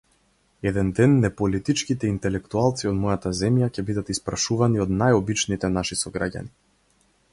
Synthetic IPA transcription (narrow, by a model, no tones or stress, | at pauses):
ɛd̪ɛnd̪ɛnːɛpɔlit̪it͡ʃkit̪ɛint̪ɛlɛkt̪ualˠt̪siɔd̪mɔjat̪azɛmjacɛbid̪at̪ispɾaʃuvaniɔd̪najɔbit͡ʃnit̪ɛnaʃisɔɡɾaɟa̰ni